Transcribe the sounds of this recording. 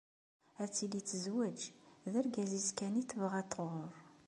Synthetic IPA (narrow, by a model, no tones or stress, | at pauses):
æt͡sːilit͡sːəzwæd͡ʒðæɾɡæzizkæniθəvʁæt̪ːʁoɾˤ